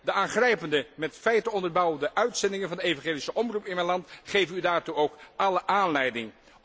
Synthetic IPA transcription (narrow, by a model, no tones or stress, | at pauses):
dəʔaːnχrɛjpəndəmɛtfɛjtəɔndəɹbɑwəndəʔœɥtsɛndɪŋənvɑndəejvɑ̃χeːlisəʔɔmrupɪnmɛjnlɑntχejvəydaːɹtuowkʔɑləʔaːnlɛjdɪŋ